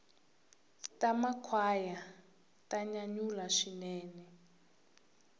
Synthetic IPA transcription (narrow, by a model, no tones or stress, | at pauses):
tamakʰwaja | tʼaɲaɲulaʂinɛːnɛ